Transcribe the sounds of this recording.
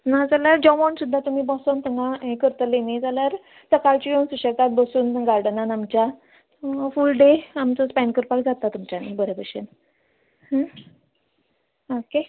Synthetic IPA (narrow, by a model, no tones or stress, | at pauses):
nad͡zaljaɾd͡ʑɔʋɔnsud̪ʱːat̪umiːbɔsɔnt̪əŋɡãɦekəɾt̪əlenid͡zaljaɾ | səkaɭt͡ɕijonsuɕəkat̪̚bəsuːnɡaɾɖənanamt͡ɕja | fulɖeamt͡səspɛɳkəɾpakd͡zat̪ːat̪umt͡ɕanibəɾebəɕḛn | ɦə | oke